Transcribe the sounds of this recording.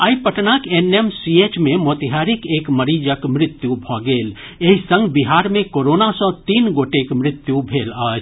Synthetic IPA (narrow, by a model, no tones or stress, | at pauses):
aːipəʈnakenemsiet͡ʃmẽmot̪ɦaɾikeːkməɾid͡ʒəkmɾɪt̪jubʱɔɡeːl | eɦisə̃ŋɡbiɦaɾmẽkoɾonasə̃t̪iːnɡoʈekmɾɪt̪jubʱeːləːt͡ʃʰ